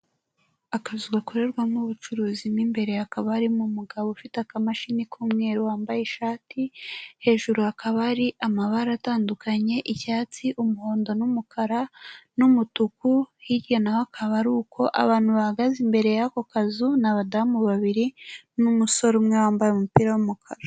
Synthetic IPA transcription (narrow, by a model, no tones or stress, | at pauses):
akazuɡakoɾe̞ɾɡwamuβut͡ʃuɾuːzimnimbe̞ɾe̞jakaβaɾimumuɡaβofitakamaʃinikuːmŋe̞ɾiwaːmbajeʃaːtihe̞ːʒuɾuakʰaβaɾiʔamaβaɾataːndukaɲe̞ʔiçaːt͡siʔumuho̞ːndo̞numukʰaɾanumutukuhiɾjenahakʰaβaɾukʰo̞ʔa̰βaːn̥huβahaɡazimbe̞ɾe̞jako̞kazunaβadamuβaβiɾinumuso̞ɾumŋewaːmbajomupiɾawumukʰaɾa